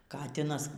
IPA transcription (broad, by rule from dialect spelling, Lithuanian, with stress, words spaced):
ˈkɑːtʲɪnɐs